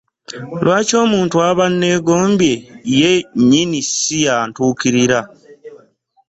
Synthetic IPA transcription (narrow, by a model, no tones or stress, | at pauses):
lwaːco̞ːmuːntuaβanːe̞ːɡo̞ːmbje̞jeɲinisijantuːkiɾiɾa